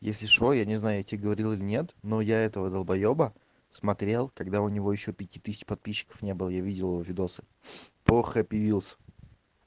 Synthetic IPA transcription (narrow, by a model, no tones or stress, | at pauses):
jesʲlʲɪʂojanʲɪznajʊjatʲɪeɡəvɐɾʲilˠilʲɪnʲe̞t̪nojaɛt̪əvəd̪əlˠbɐjobə | smɐt̪ɾʲe̞lˠkɐɡd̪aʊnʲɪvo̞jɪɕːo̞pʲɪtʲit̪ɨsʲɪt͡ɕpɐt̪̚pʲiɕːɪ̥kə̥fnʲe̞bɨlˠəjavʲidʲɪlˠɪvovʲɪd̪o̞sɨ̥ | poxəpʲɪvʲilˠsʲə̥